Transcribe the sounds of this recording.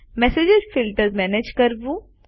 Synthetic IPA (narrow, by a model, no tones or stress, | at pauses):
mɛːsed͡ʒɪzfɪlʈəɾmɛːned͡ʒkɐɾbu